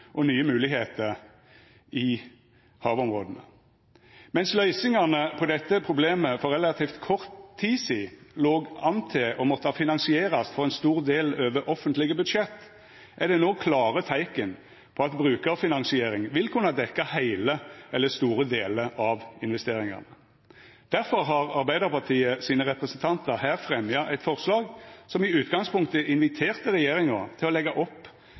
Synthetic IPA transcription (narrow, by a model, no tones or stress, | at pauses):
ʔɔnyːəmʉːlɪɦeːt̪əɾ | ʔɪ | hɑːʋɔmʁoːd̪ən̩ə | mɛnslœʏsɪŋɑnəpʰɔd̪ɛt̪ːəpʰɾʊbleːməfɔɾɛlɑt̪ʰiːft̪kʰɔʁt̪ʰːiːsiːloːɡɑnt̪ʰɪʔɔmɔt̪ːəhɑfɪnɑnsɪeːʁɑst̪fɔʁɛnst̪uːʁd̪eːløːʋəʔɔfənt̪lɪɡəbʉd̪ʂɛt̪ː | ʔæd̪ɛnoːkʰlɑːʁət̪ʰæɪkən | pʰɔɑt̪bʁʉːkəfɪnɑnsɪeːɾɪŋʋɪlkʰʉnɑd̪ɛkːɑhæɪləɛlːəst̪uːɾəd̪eːləʔɑʋɪnʋɛst̪eːɾɪŋɑ̰nə | d̪̥æɾfɔɾɦɑʁɑɾbæɪd̪əɾpɑʁt̪ʰiːəsiːnəɾɛpɾɛsnt̪ʰɑnt̪əɾhæːʁfɾɛmjɑʔæɪt̪fɔʁslɑːɡsɔmɪʉːt̪ɡɑŋspʰʊŋkt̪əʔɪnʋɪt̪ʰeːʁt̪əɾɛjeːɾɪŋət̪ʰɪlɔlɛɡɑʔɔpː